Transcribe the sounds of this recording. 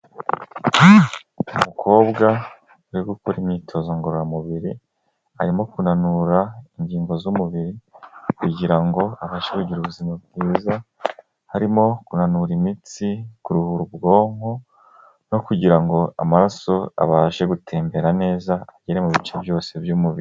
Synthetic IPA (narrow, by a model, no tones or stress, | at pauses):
umukʰo̞ːβɡa | uɾiɡukoɾimɲiːtʰo̞zo̞ŋɡoɾoɾamuβiɾi | a̰ɾimo̞kunanuɾaiɲɟiːŋɡo̞zumuβiɾikuɟiɾaŋɡo̞aβaːʃeɡuɟiɾuβuzimab̚ɡiːza | haɾimo̞kunanuɾimit͡sikuɾuhuɾubɡo̞ːŋho̞ | no̞kuɟiɾaŋɡo̞a̰maɾaso̞a̰βaːʒe̞ɡutʰe̞ːmbe̞ɾane̞ːzaːɟ̥eɾemuβit͡ʃebjo̞ːse̞bjumuβiɾi